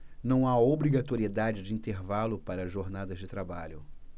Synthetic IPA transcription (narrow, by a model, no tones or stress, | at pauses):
nɐ̃w̃aobɾiɡat̪oɾied̪ad͡ʒɪd͡ʒɪĩnt̪eɾvalʊpaɾɐzʒoɾnad̪ɐzd͡ʒɪt̪ɾaba̰ʎʊ